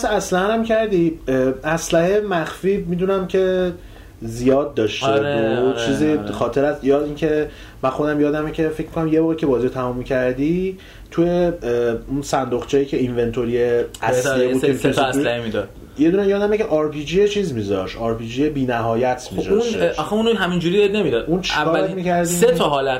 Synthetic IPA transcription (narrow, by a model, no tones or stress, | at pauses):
sææslæhænæmcʰæɾd̪iæslæhemæxfimid̪unæmcʰe̞ | zijɒːd̪̚ːɒːʃteot͡ʃʰiːzixɒːt̪ʰe̞ɾæsjɒːdincʰe̞ | mænxo̞d̪æmjɒːd̪æmecʰe̞fe̞cʰmikʰonæmjevɒːɣicʰe̞bɒːziot̪ʰæmumːicʰæɾd̪i | t̪ʰujeunsænd̪oχt͡ʃʰejiːcʰe̞inve̞nt̪ʰoɾijeæsliebud̪eesesæimid̪ɒ̥ | jed̪unæmjɒːd̪æmicʰʲeʔɒɾpʰid͡ʒijet͡ʃʰiːzmiːzɒʃɒːɾpid͡ʒijebiːnæɦɒːjæt̪ʰmizɒuʃnɒxeunoɦæmind͡ʒuɾid̪ed̪̚nemid̪ɒd̪unt͡ʃʰækɒːɾmiːcʰæɾd̪iːset̪ʰɒɦɒːlæt̪